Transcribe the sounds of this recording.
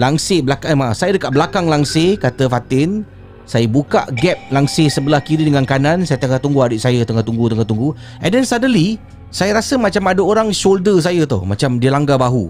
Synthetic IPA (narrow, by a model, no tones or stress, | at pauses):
laŋsebəlakamasajədəkaʔ̚bəlakaŋlaŋsekat̪əfat̪ɪn | sajəbuka̰ʔɡɛp̚laŋsesəbəlahkiɾidəŋankanãnsajət̪əŋat̪uŋɡuadɪʔsajət̪əŋat̪uŋɡut̪əŋat̪uŋɡu | ɛ̰ndɛnsadəli | sajəɾasəmat͡ʃamadəoɾaŋʃoldəs̬ajət̪o̰hmat͡ʃamdiəlaŋɡabaɦu